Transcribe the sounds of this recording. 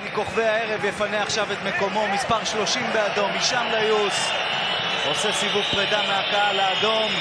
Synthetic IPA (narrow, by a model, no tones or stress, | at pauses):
niko̞χvejae̞ʁevjefaneaχʃavet̪me̞ko̞mo̞mispaʁʃlo̞ʃimbead̪o̞miʃamlajus | osesivuvpʁed̪ameakaalaːd̪o̞m